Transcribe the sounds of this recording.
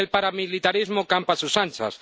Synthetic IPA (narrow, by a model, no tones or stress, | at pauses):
elpaɾamilit̪aɾizmokampasusant͡ʃa̰s